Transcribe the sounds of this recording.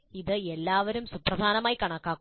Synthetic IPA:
iðɨelːaːʋɐɾumsuprɐd̪ʱaːnɐmaːjikɐɳɐkːaːkː

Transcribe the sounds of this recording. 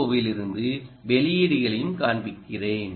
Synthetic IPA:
oʋɪlɪɾɯnd̪ɯʋɛlɪjɪɽɪɣɐɭɐjɯmkaːɳbɪkːɪreːn

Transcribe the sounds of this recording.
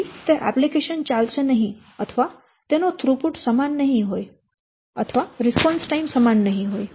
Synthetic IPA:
t̪eʔɛ̰plikeʃənt͡ʃalʃenəɦĩ | ət̪ʰəʋa | t̪enot̪ʰɾupuʈsəmanːəɦĩɦoj | ə̰t̪ʰəʋaɾɪspɔnsʈaimsəmanːəɦĩɦoj

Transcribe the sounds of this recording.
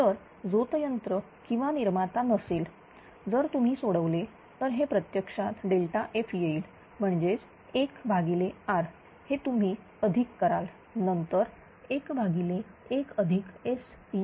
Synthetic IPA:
t̪əɾ | d͡zot̪əjənt̪ɾə | kĩw̃ʋaniɾmat̪anəsiːl | d͡zəɾt̪um̤iːsoɽəʋle | t̪əɾɦepɾət̪jəkʂat̪ɖelʈaʔefjeiːl | m̤əɳd͡ʑed͡z | ekbʱaɡileaɾ | het̪um̤iː | əd̪ʱikːəɾal | nənt̪əɾ | ekbʱaɡileekəd̪ʱikes

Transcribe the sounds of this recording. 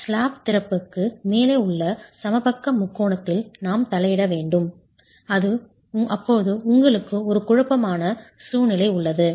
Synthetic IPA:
sɭaːpt̪ɪɾɐpːɯkːɯmeːleːʊɭːɐsɐmɐbɐkːɐmʊkːoːɳɐt̪ːɪlnaːmt̪ɐlɐjɪɽɐʋeːɳɖɯm | ɐðɯ | ʔɐpːoːðɯʊŋɡɐɭɯkːɯɔɾɯkʊɻɐpːɐmaːnɐ | suːnɪlɐɪʊɭːɐðɯ

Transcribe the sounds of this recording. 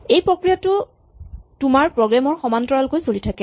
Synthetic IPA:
ejpɹokɹijatʊ | tʊmaɹpɹɔɡɹamɔɹxɔmantɔɹalkojsolitʰakɛ

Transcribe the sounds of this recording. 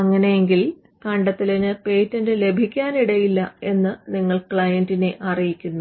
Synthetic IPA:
ɐŋːɐnejeŋɡil | kɐɳɖɐt̪ːilɐnɨpe̞ːtːɐndɨle̞bʱikʲːaːniɽɐjilːɐe̞nːɨniŋːɐɭkɭɐjɐndine̞ʔɐrijikʲːunːu

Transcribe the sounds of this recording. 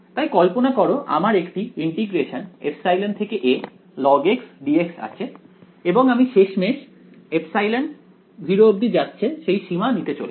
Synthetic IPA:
t̪ajkɔlponakɔɾoʔa̰maɾekʈiiɳʈiɡɾeʃanepsajlant̪ʰekeʔe | lɔɡeksɖieksa̰t͡ɕʰe | eboŋamiʃeʃmeʃ | epsajlaɳ | bʱiɾoob̚d̪id͡ʑatːɕʰeʃejʃimanit̪et͡ɕole

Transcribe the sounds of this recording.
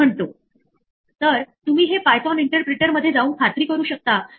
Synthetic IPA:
əɳt̪o | t̪əɾt̪umiːɦepajt̪ɔniɳʈəɾpɾeʈəɾməd̪ʱːjed͡zauːnkʰat̪ɾiːkəɾuːɕək̚t̪a

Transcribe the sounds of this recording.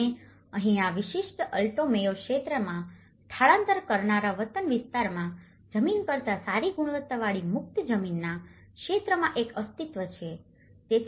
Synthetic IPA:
e | əɦĩaʋiʃiʃʈəlʈomejokʃet̪ɾəmã | ʈ̪ʰaɭãnt̪əɾkəɾnaɾaʋət̪ənʋɪst̪aɾmã | d͡ʒəminpəɾt̪asaɾiɡuɽ̃ʋət̪ːəʋaɭimʊk̚t̪d͡ʒəminːa | kʃet̪ɾəmãʔekəst̪it̪ʋət͡ʃʰe | t̪e

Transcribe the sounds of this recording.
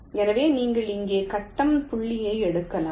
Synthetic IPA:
ɛnɐʋeːniːŋɡɐɭɪŋɡeːkɐʈːɐmpʊɭːɪjɐɪɛɽɯkːɐlaː

